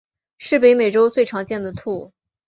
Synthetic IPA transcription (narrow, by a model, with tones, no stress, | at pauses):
ʂɻ̩˥˩pe˧˥ɪme˨˩ɪʈ͡ʂo˥ʊt͡swe˥˩ɪʈ͡ʂʰɑ˧˥ŋt͡ɕjɛ˥˩nd̪ə˩t̪ʰu˥˩